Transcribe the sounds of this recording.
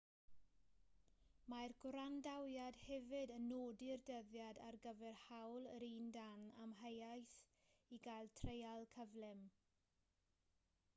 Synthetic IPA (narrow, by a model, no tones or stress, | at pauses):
majrɡ̥wɾandawjadhɛvɨdənːoːdɪrdəðjadarɡəvɛrhawlˠəɾiːndanamɦəjajθ | iɡajlˠtʰrejalˠkʰəvlɛm